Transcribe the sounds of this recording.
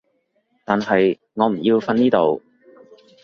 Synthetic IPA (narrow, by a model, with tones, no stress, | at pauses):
t̪aː˨nɦɐ˨j | ŋɔː˨˧m̩˨˩ji˧wfɐ˧niː˥t̪o˨w